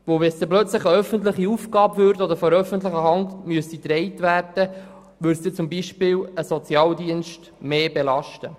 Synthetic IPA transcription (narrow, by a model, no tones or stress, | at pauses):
ʋowʋɛnsd̪ɛplœt͡slɪχəœfənt̬lɪχiufɡɑːbvøɾtɔd̪əɾfɔɾœfəntlɪχəɦɑntmyəst̪it̪ɾɛɪtʋæːrd̥ə | ʋʏɾsd̥̪et͡sʊmbiʃpɪːwəsɔt͡sjɑːldiənʃt | meːbelɑʃtə